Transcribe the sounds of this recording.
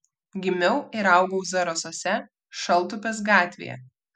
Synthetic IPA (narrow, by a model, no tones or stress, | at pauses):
ɡʲɪmʲɛʊɪɾɐˑʊɡɔʊzɐɾosoːsʲɛ | ʃɐlˠˑt̪ʊpʲɛsɡɑːt̪ʲʋʲḛjɛ̰